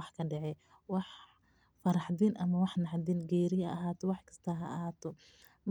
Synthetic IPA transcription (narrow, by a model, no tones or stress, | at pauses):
ɑħkʰɐɖɛʕɛ | wɑħ | fɐɾɑħd̪iːnʔɐmɐwɑħnɑħd̪iːnɡɛːɾɪjɐɐ̰ɐɦaːt̪ʰɔwɑħkʰɐ̥st̪ʰɐɦɐ̰ʔhaːt̪ʰɔ | m